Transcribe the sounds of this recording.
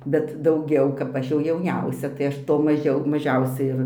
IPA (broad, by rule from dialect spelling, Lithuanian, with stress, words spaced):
bʲɛt dɐʊˈɡʲɛʊ kɐp ˈɐʃ jɛʊ jɛʊˈnʲɛʊsʲɛ tɐɪ ˈɐʃ ˈtoː mɐˈʒʲɛʊ mɐˈʒʲɛʊsʲɛɪ ɪr